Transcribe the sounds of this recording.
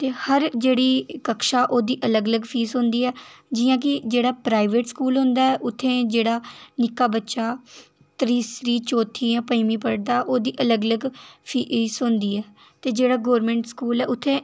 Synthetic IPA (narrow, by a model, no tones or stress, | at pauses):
t̪eːhəɾd͡ʒeːɽiːkəkʃaːʔoːd̪iːʔələɡələɡpʰiːsɦʊ̃ːnd̪iːɛːd͡ʒɪjãːk̬ɪd͡ʒeːɽaːpɾaːɪʋeːʈskuːlɦõːnd̪aːɛːʔʊt̪ʰːẽːd͡ʒeːɽaːnɪkːaːbətːʃaː | t̪ɾiːsɾiːt͡ʃɔːt̪ʰiːãːpəimĩːpəɽd̪aːʔoːd̪iːʔələɡələɡpʰiːsʊ̃ːnd̪iːɛː | t̪eːd͡ʒeːɽaːɡoːɾmɛ̃ːɳʈskuːlɛːʔʊt̪ʰːẽː